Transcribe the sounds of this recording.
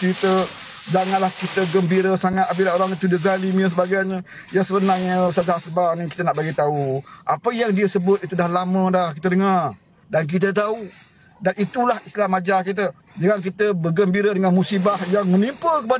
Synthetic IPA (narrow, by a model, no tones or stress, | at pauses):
it̪ə | d͡ʒaŋanlahkit̪əɡəmbiɾəsaŋat̪abilaɦoɾaŋit̪udiɡalimians̬əbaɡajɲəjaŋsəbənarɲə̃sad͡ʒaɦasəbanikit̪ənaʔbaɡit̪auʔapəjaŋdiəsəbʊt̪̚it̪udahlamə̃dahkit̪ədəŋar | dank̬it̪̬ət̪̬au | danit̪ulahist̪lamad͡ʒak̬it̪̬ə | d͡ʒəŋaŋk̬it̪əbərɡəmbiɾədəŋanmusibahjaŋmənimpəkəpa